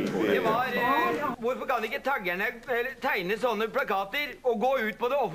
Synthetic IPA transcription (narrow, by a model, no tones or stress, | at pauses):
d̪ɛʋɑɾʋʊɾfɔɾkɑnɛɪkːət̪ʰæɡæɳəɛlːət̪ʰæɪnəsɔnːəplɑkɑːt̪əɾɔɡoːʉːt̪̚pɔd̪ɛɔf